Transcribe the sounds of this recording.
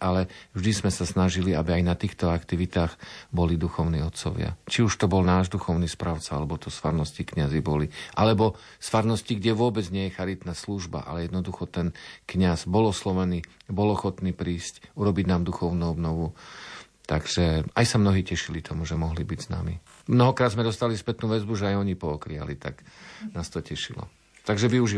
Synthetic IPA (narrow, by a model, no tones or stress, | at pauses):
ʔalɛvʒd̪izmɛsasnaʒiliabiajnat̪iːxt̪ɔakt̪iʋit̪aːɣbɔlid̪uxɔʊniːɔt̪t͡sɔ̰ʋɪa̰t͡ʃiuʃt̪ɔbɔlnaːʒd̪uxɔʊniːspɾaʊt͡saalɛbɔt̪ɔsfaɾnɔscikɲazibɔliʔalɛbɔ | sfaɾnɔsciɡɟɛʋʊɔbɛd͡zɲɪɛjɛxaɾit̪nasluʒba̰ʔa̰lɛjɛd̪nɔd̪uxɔt̪ɛnkɲazbɔlɔslɔʋɛniːbɔlɔxɔt̪niːpɾiːscuɾɔbiɟnaːmd̪uxɔʊnuɔbnɔʋu | t̪aɡʒ̥ɛajsamnɔɦiːcɛʃilit̪ʰɔmuʒɛmɔɦlibiɟzna̰ːmḭ | mnɔɦɔkɾaːd̪zmɛd̪ɔst̪alispɛt̪nuʋɛzbuʒɛajɔɲipɔɔkɾia̰lit̪a̰ɡnaːst̪ɔcɛʃḭlɔ̰ | t̪aɡʒɛʋiuʒi